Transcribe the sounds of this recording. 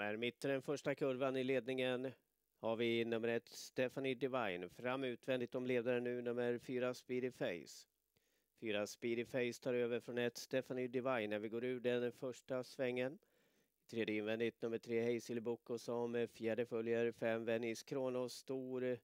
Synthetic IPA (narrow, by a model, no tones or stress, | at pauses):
æɾmɪt̪ːəɖ̪ɛnfœʂʈakʰɵɾvanɪleːd̪̚nɪŋən | haɾvɪnɵmːəɾɛt̪ːst̪ɛfanɪd̪ɛvajnfɾamːʉ̟ːt̪vɛnd̪ɪt̪ːɔmleːd̪aɾənʉ̟ːnɵmːəɾfyːɾaspiːd̪ɪfɛjs | fyːɾaspiːd̪ɪfɛɪst̪ʰɑːɾøːvəɾfɾɔnɛt̪st̪ɛfanɪd̪ɪvajnːæɾvɪɡoːɾʉ̟ːɖɛnfœʂʈasvɛŋːən | ɪt̪ʰɾeːd̪jəɪnvɛnd̪ɪt̪nɵmːəʈʰɾeːhɛjsɪlbʊkːɔsɔmfjæːɖəfœljəɾfɛmvɛnɪskʰɾoːnʊst̪uːɾ